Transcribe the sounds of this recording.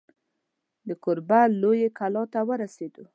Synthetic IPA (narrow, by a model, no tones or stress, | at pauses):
d̪əkʊɾbalojekalɑt̪awəɾased̪u